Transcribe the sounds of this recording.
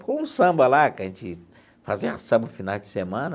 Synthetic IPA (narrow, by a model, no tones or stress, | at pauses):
kõũsɐ̃mbɐlakɐʒẽnt͡ʃɪ | fazisɐ̃bɐfinawd͡ʒɪsemɐ̃nɐ